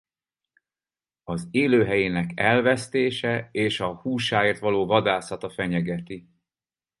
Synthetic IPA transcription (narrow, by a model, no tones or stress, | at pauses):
ɒzeːløːɦɛjeːnɛkɛlvɛst̪eːʃɛeːʃɒhuːʃaːeːrt̪ʋɒloːvɒd̪aːsɒt̪ɒfɛɲɛɡɛt̪i